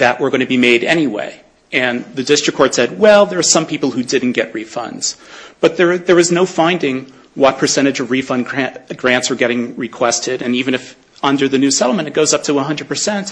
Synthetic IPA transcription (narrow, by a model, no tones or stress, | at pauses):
ðɨʔwʔə˞ɡʌ̃ɪ̃ñɨbimeɪɾɛñiwḛɪ | ɨ̃nðɨdɪstɹ̥ɨkʰɔɹtsɛd̚wɛlˠðə˞z̥sʌ̃mpʰipl̩ˠhʉdɪdⁿn̩ɡ̥ɛʔ̚ɹifʌ̰̃ndz̥b̥ʌt̪̚ðə˞ðə˞ɨznoʊfãɪ̃ndɪ̃ŋ | wʌt̚pʰə˞sɛ̃ɾ̃ɨd͡ʒʌvɹifʌ̃nɡɹæɡɹæ̃ntsə˞ɡɛɾɪ̃ŋɹɨkʰw̥ɛstɪɾɨ̃nivɨ̃ñɨf | ʌ̃ndə˞ðɨnʉsɛɾl̩ˠmɨ̃ñtɨt̚ɡ̥oʊzʌp̚tʰəʌ̃nɦʌ̃ndɹəd̚pʰə˞sɛ̃nt